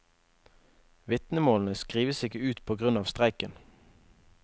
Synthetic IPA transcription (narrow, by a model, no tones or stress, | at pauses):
ʋɪt̪nəmoːln̩əskʁiːʋəsɪkəʉːt̪pʰoːɡʁʉnɑːʋst̪ʁæɪkən